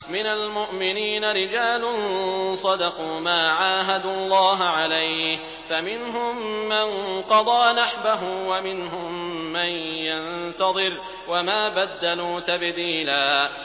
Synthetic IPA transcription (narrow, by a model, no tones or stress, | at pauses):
mɪnalmʊʔmɪniːnaɾɪd͡ʒaːlʊnsˤɑd̪ɑquːmaːʕaːɦad̪ulˤːɑːɦʕalajh | famɪnɦʊmːanqɑd̪ˤɑːnaħbaɦʊmwamɪnɦʊmːanjant̪ɑðˤɨɾ | wamaːbad̪ːaluːt̪abd̪iːlaː